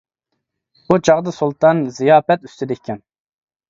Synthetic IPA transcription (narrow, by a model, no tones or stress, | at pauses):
but͡ʃʰɑʁd̪ɨsulˠt̪ɑnzijɑːpɛt̪yst̪ʰyd̪ɪkʲʰːɛn